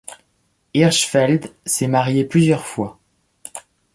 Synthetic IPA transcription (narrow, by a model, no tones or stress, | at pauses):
iʁʃfɛld̪sɛmaʁjeplyzjœʁfwa